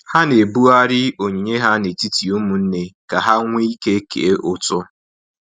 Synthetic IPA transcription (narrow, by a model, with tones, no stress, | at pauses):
ha˦ne˨bu˦a˦ɾɪ˦o˨ɲi˨ɲe˦ɦa˦ne˨ti˦ti˨u˦mu˨n̩˦ne˦ka˨ɦa˦ŋʷ˦i˦ke˦kḛ˨e˦ʔʊ˦tʊ˦